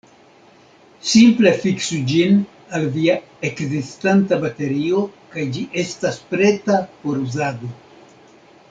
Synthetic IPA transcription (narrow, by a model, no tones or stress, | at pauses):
simple̞fiksud͡ʒin | alvia | ekzistantabate̞ɾio̞kajd͡ʒiʔe̞staspɾe̞tapo̞ɾuzado